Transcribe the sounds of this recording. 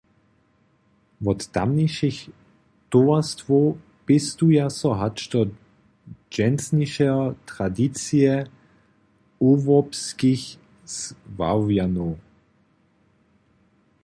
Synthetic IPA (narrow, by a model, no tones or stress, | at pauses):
vɔt̪ːa̰mniʃix | t̪oast̪vo | pɪst̪ujasɔɦat͡ʃt̪ɔ | d͡ʒɛnsniʃɛt̪ʁ̥adit͡siɛ | uvɔpskiç | sva̰vjanu